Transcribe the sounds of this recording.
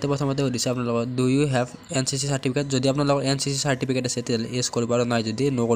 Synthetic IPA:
tɛpɹɔt̪ʰɔmɔt̬ɛɦodisɛap̬unalɔkɔdujuɦɛv | ensis̬isaɹʈipʰiketzodiapunalɔkɔɹensisisaɹʈipʰiketasɛteleskoɹibɔaɹunajzodinoko

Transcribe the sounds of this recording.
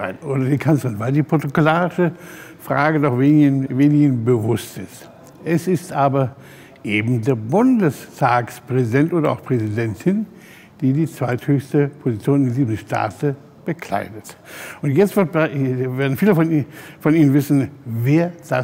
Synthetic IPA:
a̰ɪoːdɐdeːkʰant͡sslʁɪnvaɪldiːpʁ̥otokolaːʁɪʃəfʁ̥a̰ːɡədɔχvenveːnɪɡənbəvʊstɪst | ʔɛsɪstʔaːbɐ | ʔeːbm̩deːɐbʊndəstʰaːkspʁ̥ɛzidɛntʔoːdɐaʊxpʁ̥ɛzidɛntʰɪn | d̥iːdiːt͡sv̥aɪthøːçstəpʰozit͡sjoːnnddiːzn̩ʃtʰa̰ːtə | b̥əkʰl̥a̰ɪdətʔʊntjɛt͡stv̥ɪɐtbaveːɐdn̩fiːləfɔnfɔniːnənvɪsn̩veːɐd̥a

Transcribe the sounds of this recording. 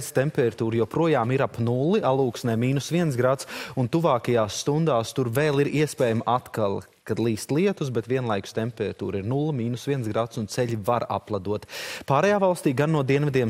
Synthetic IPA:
st̪ɛmpɛɾat̪uːɾjopɾuɔjaːmiɾapnulˠiʔalˠuːksnɛːmiːnusviɛnsɡɾat̪sunt̪uvaːkɐjaːsːt̪und̪aːst̪uɾveːlˠiɾiɛspɛːjamʔat̪kalˠ | kad̪lˠiːst̪lˠiɛt̪usbɛt̪ʋʲiɛnlˠajkʊ̥st̪empɛɾat̪ṵːɾiɾnulˠmiːnusvʲiɛnsɡɾat̪sunt̪sɛʎʲivaɾa̰plˠad̪uɔt̪paːɾɛjaːvalˠst̪iːɡanːuɔd̪iɛnvɛd̪ʲiɛm

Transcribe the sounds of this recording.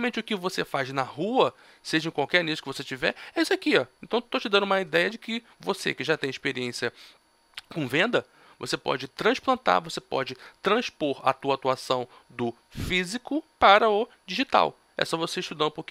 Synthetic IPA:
ɐmẽnt͡ʃɪʊkɪvosefajznɐhuɐ | seʒɐẽkwawkɛɾnisʊ̥kɪvoset͡ʃivɛ̰ɛisʊakiɔẽnt̪ɐ̃w̃t̪ot͡ʃɪd̪ɐ̃nʊũmɐid̪ɛjɐd͡ʒɪkɪ | vosḛkɪʒat̪ẽj̃ɪʃpeɾiẽsiɐ | kõvẽnd̪ɐ | vo̰sepɔ̰d͡ʒɪt̪ɾɐ̃ʃplɐ̃nt̪a̰ɾvosepɔ̰d͡ʒɪt̪ɾɐ̃spoɾɐ̰t̪uɐat̪uasɐ̃w̃d̪ʊ | fizikʊpaɾɐʊ | d͡ʒiʒit̪a̰w | ɛ̰sɔvoseɪʃt̪ud̪ɐ̃d̪ũpokĩ

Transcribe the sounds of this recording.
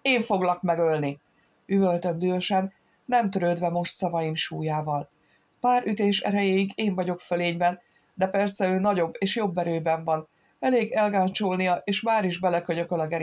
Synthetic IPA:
eːɱfo̞ɡlɒkmɛɡølni | yvølt̪ønd̪yøʃɛnː | ɛmt̪øɾøːd̪vɛmo̞ʃt̪sɒvɒjimʃuːjaːvɒl | paːɾʔyt̪eːʃɛ̰ɾɛjeːiɡeːɱvɒɟo̞kføleːɲbɛn | d̪ɛpɛrsɛøːnɒɟo̞bːeːʃjo̞bːɛɾøːbɛɱvɒn | ɛleːɡɛlɡaːnt͡ʃolnijɒʔeːʃmaːɾiʒbɛlɛkøɲøkølɒɡɛɾi

